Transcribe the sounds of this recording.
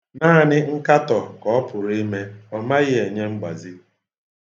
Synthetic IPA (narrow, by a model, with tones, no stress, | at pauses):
naː˦˨nɪ˦ŋ̩˦ka˦tɔ˨kɔ˨ɔ˦pʊ˨ɾi˦me˦ɔ˨ma˦ɣɪ˦e˨ɲe˦ŋ͡m̩˦ɡ͡ba̰˨zi˦